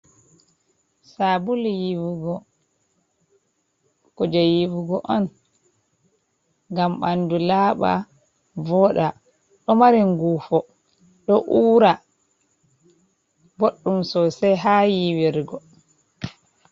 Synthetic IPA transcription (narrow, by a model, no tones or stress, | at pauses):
sabuljiwuɡɔ | kod͡ʒajiwuɡɔʔɔn | ɡamɓandulaːɓa̰ | vɔːɗa | ɗɔmaɾiŋɡuːfɔ | ɗɔʔuːɾa | boɗːumsɔsɛjɦajiwiɾɡɔ